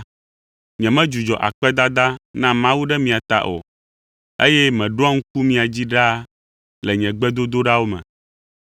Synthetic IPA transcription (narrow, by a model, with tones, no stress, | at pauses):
ɲɛ̃˨mɛ̃˦d͡ʒu˨d͡ʒɔ˨ʔa̰˨k͡pɛ˦d̪a˦d̪a˦nã˦mã˦wu˦ɖɛ˦mĩ˨a˨t̪a̰˨ʔo̰˨ | e˦jɛ˦mɛ̃˨ɖo˦a˦ŋ̩̃˦k̚u˦mĩ˨a˨d͡ʑi˦ɖa˦ | lɛ˨ɲɛ̃˨ɡ͡bɛ˦d̪o˦d̪o˦ɖa˦wo˦mɛ̰̃˨